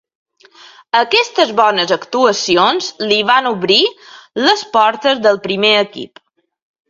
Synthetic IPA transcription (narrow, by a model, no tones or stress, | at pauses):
əkɛst̪əzβɔnəzəkt̪uəsionzliβanuβɾiləspɔɾt̪əzðəlˠpɾimeəkḭp